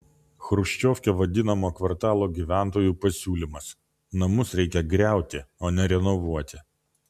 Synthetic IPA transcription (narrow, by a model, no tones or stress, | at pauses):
xɾʊʃʲt͡ʃʲoːfʲkʲeʋɐd̪ʲɪnɐmoːkʋɐɾt̪ɑːlˠoːɡʲiːʋʲæˑnt̪oːjuːpɐsʲuːlʲimɐs | nɐmʊsɾʲɛɪkʲɛɡɾʲæˑʊt̪ʲɪoːnʲɛɾʲɛnɔʋuɔt̪ʲɪ